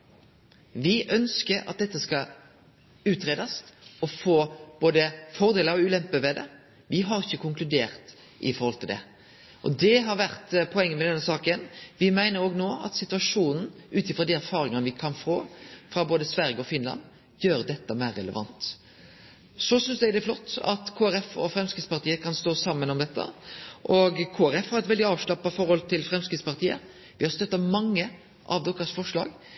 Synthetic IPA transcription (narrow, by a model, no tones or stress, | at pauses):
ʋɪʔœnskəɾɑ̰t̪̚d̪ɛt̪ːəskɑ | ʉːt̪ɾeːd̪ɑst̪ɔfoːb̥oːd̪əfɔʁd̪eːləɾɔʉːlɛmpəʋɛd̪ɛ̰ | ʋɪɦɑɾɪçːəkʰʊŋklʉd̪eːʁt̪ | ʔɪ̰fɔɾhɔlt̪ʰɪld̪ɛ̰ | ʔɔ̰d̪ɛɦɑɾʋæʁt̪pʰɔɛŋːəmɛd̪ɛnːəsɑːkənʋɪmæɪnəɾoːɡnoːɑ̰t̪sɪt̪ʉɑʂuːnn̩ʉːt̪ɪfɾɔd̪iæɾfɑːɾɪŋəʋɪkʰɑnfoːfɾɑboːd̪əsʋæɾjəɔfɪnlɑ̰n | jøːɾd̪ɛt̪ːəmæɪɾːɛlə̰ʋɑ̰nt̪ | sɔsʏnsd̪æɪd̪ɛæflɔt̪ːɑ̰t̪kʰoːæɾɛfɔ̰fɾɛmskɪt̪spɑʁt̪ʰiːəkʰɑnst̪oːsɑmːənɔmd̪ɛt̪ʰːə̰ʔɔɡkʰoːæɾɛfhɑɾɛt̪ʋɛld̪ɪɑːʋʂɭɑpːɑfɔɾhɔlt̪ʰɪlfɾɛmskɾɪt̪spɑʁt̪ʰiːə̰ | ʋɪhɑɾst̪œt̪ːɑmɑŋːə | ʔɑʋd̪ɔkːəɾsfɔʂɭɑ̰ːɡ